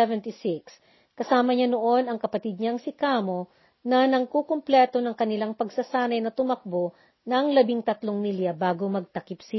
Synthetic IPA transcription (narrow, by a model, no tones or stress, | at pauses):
ɛvɛnt̪isɪks | kɐsaːmɐɲanoʔo̞nɐŋkɐpɐt̪id̪̚ɲɐŋsɪkaːmo̞ | nɐnɐŋkokomplɛt̪o̞nɐŋkɐnɪlaŋpɐɡsɐsaːnɐjnɐt̪ʊmɐk̚bo | nɐŋlɐbiŋt̪ɐt̪loŋnɪlɐbaːɡomɐɡ̚t̪ɐkipsɪ